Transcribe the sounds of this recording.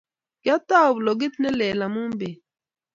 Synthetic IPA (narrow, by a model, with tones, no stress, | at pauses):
ɡa˦t̪a˦˨u˨blo˨ɡi˦t̪nɛ˦lɛː˨la˨mu˦m˦be˨